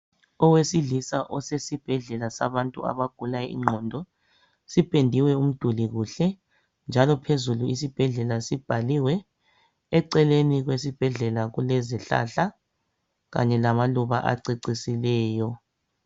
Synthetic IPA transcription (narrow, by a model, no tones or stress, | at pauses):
ɔwesiɮisaʔɔsesib̥ʱɛɮɛlasa̰βantʼṵa̰βaɡ̥ʱulajɛḭŋ͡ǁʱɔndʱɔ | sipʰʼendʱiwɛum̩d̥ʱuliɣuɬɛ | nd͡ʒʱalɔpʰezuluisib̥ʱɛɮɛlasib̥ʱaliwɛː | ǀɛleniɣwesib̥ʱɛɮɛlaɣulɛzɛɬa̰ɬa | ɣa̰ɲɛlamaluβaʔa̰ǀiǀisilɛːjɔ